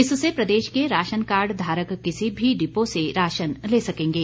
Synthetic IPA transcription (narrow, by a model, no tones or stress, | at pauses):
ɪsʊsepɾɐd̪eːʃkeɾaːʃənkaːɾɖd̪ʱaːɾəkːɪsibʱiɖɪposeɾaːʃənleːsɐkẽːŋɡeː